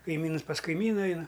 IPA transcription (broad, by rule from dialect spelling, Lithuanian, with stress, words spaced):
kɐɪˈmʲiːnʊs pɐs kɐɪˈmʲiːnɐ ˈɐɪnɐ